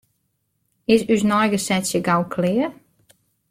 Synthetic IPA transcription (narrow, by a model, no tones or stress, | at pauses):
ɪsysnɔjɡəsɛsjəɡawkʰlɪːə